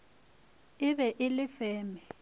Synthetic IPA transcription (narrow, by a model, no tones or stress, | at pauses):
ɪβɛʔɪlɪfɛːmɛ